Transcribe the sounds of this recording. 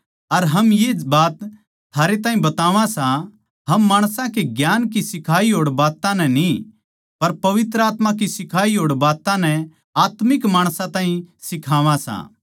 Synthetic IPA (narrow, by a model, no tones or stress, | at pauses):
ɐɾɦɐmjebaːt̪ | t̪ʰaːɾet̪aːɦĩbɐt̪aːʋãsã | ɦɐmːaːɽ̃sãkeɡjaːnkisɪkʰaːiɦoːɽbaːt̪ãnɛ̃ni | pɐɾpɐʋɪt̪ɾəaːt̪mãk̬isɪkʰaːiɦoːɽbaːt̪ãnɛ̃ | aːt̪mɪkmaːɽ̃sãt̪ãːɦĩsɪkʰaːʋãsã̰